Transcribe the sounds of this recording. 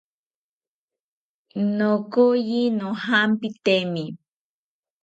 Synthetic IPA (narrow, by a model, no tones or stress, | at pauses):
nokojinohampit̪emi